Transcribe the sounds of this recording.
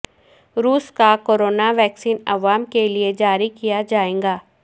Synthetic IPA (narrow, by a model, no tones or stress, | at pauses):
ɾuːskakoːɾoːnaʋɛːksiːnɐʋaːmkelied͡ʒaːɾikijad͡ʒaːẽːŋɡaː